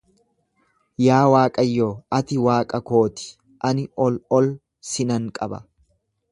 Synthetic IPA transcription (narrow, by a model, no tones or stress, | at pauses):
jaːwaːkʼɐjːoːɐt̪ɪwaːkʼɐko̞ːt̪ɪ̥ | ʔɐnɪɔlɔl | sɪnɐŋkʼɐbɐ̰